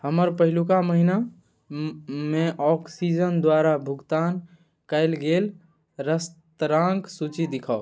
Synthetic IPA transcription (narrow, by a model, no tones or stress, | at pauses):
həməɾpəɦilukaməɦina | meʔɔksid͡ʒənd̪waɾabʱuɡt̪an | kaɪlɡel | ɾəst̪ɾãŋɡsut͡ʃid̪ikʰao